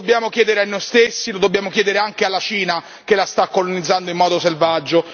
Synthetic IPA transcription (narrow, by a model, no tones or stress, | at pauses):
objaːmok̟jɛːd̪eɾeanːojst̪esːilod̪obːjaːmok̟jɛːd̪eɾeaŋkealːat͡ʃiːna | kelːast̪akːolonid̪zːand̪oimːɔːd̪oselvad͡ʒːo